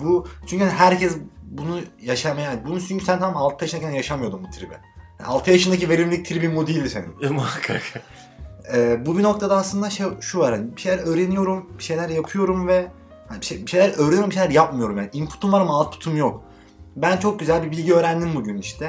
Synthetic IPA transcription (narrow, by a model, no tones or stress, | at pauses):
but͡ʃʰyɲʲcyhaniɦæɾcʰɛsbunujaʃamajaːnibununt͡ʃʰynɲcʰysænt̪ʰamamalˠt̪̚pʰɯjaʃɯnacʰænjaʃamɯjo̞d̪umbut̪ʰɾibɛ̰ | haalˠt̪ɯjaʃɯnd̪ac̬ive̞ɾʲimlʲic̚t̪ʰiɾibimud̪iːlʲd̪isenḭnmakʰak | ɛːbubino̞kt̪ʰad̪aːslˠɯnd̪aʃejʃuvaɾhanibiʃejlʲæɾøːɾe̞nijo̞ɾumbiʃe̞jlʲæɾjapʰɯjo̞ɾumvɛ | hanibʃebiʃe̞jlʲæɾʔøːɾeijɾmbiʃelʲæɾjapmɯjo̞ɾumjaːniʔimpʰu̥t̪ʰumvaɾamalˠt̪pʰu̥t̪ʰumjok | bænt͡ʃʰo̞k̚ɟyzælʲbibilʲɟiø̞ːɾænd̪imbuɟyniʃt̪ʰɛ